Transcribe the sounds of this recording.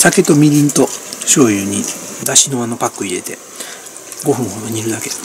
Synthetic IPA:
sake̞t̪o̞mʲiɾʲĩnt̪o̞ɕo̞ːjɯːɲ̟id̪aɕino̞ano̞pakːɯ̟iɾe̞t̪e̞̰ | ɡo̞ɸɯ̟̃ɰ̃ho̞d̪o̞ɲ̟iɾɯ̟d̪ake̞̥

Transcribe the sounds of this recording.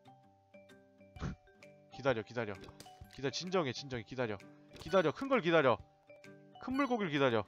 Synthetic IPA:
kidaɾjʌkidaɾjʌkidaɾjt͡ɕind͡ʑʌŋet͡ɕind͡ʑʌŋekidaɾjʌkidaɾjʌkʰɯnɡʌɭkidaɾjʌ | kʰɯnmuɭɡoɡiɭkidaɾjʌ

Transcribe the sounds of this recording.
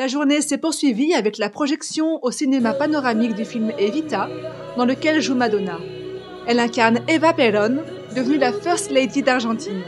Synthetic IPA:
laʒuʁnesɛpuʁsɥiviavɛklapχɔʒɛksjɔ̃osinemapanɔʁamikd̪yfilmevit̪a | d̪ɑ̃ləkʲɛlʒumad̪ɔna | ɛlɛ̃kaʁnevapɛlɔn | d̪əvnylafœʁst̪lejd̪id̪aʁʒɑ̃t̪in

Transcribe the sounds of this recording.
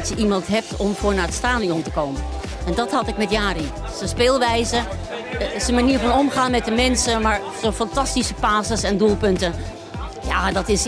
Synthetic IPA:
tjəʔimɑntɦɛp̚tʰɔmfoːnaətstaːnijɔntəkoːmən | ɛndɔthɔtɪk̚mɛtjaːri | səspeːlˠʋɛjzə | sənmaniəɹfɔnomxaːnmɛt̚dəmɛnsəmaɹ | soːfantastisəpaːsəsɛndulˠpøntə | jaːdɔtɪs

